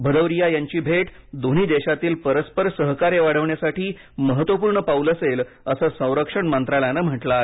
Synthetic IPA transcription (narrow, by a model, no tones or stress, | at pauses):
bʱəd̪əʋɾijajaɲt͡ɕiːbʱeʈd̪on̤iːd̪eɕat̪iːlpəɾəspəɾsəɦkaɾeʋaɽəʋɳjasaʈʰiː | məɦət̪ʋəpuːɾɳəpauləsel | əsəːsə̃w̃ɾəkʂəɳmənt̪ɾaljanəm̤əʈla